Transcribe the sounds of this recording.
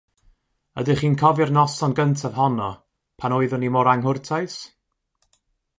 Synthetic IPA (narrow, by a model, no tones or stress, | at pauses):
ədɪχiːnkʰɔvɪrnɔsɔnɡəntʰavɦɔnɔ | pʰanoɨðʊnimɔɾaŋɦʊrtʰajs